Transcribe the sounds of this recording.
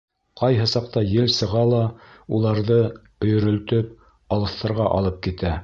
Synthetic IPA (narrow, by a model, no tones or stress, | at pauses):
qɑjɦɤsɑq̚t̪ɑjɘlsɤ̆ʁɑlˠɑ | ulˠɑɾðɤ | ɵ̆jɵ̆ɾɵ̆lt̪ɵp̚ | ɑlˠɤ̆θt̪ːɤ̆ɾʁɑʔɑ̰lˠɤp̚kit̪æ